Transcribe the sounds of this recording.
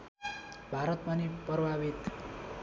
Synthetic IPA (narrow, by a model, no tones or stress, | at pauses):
bʱaɾʌt̪̚pʌnipʌbʱabit̪